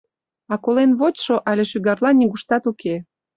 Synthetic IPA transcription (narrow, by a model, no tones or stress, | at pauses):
ɑkolenβot͡ɕʃoʔɑlʲeʃyɣɑrlɑnʲːiɣuʃt̪ɑt̪uke